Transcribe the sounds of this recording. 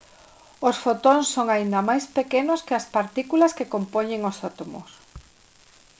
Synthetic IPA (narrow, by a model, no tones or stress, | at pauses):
osfot̪oŋsːoŋaind̪ɐmajspekenoskɪɐspaɾt̪ikulɐskekompoɲeŋosot̪omo̰s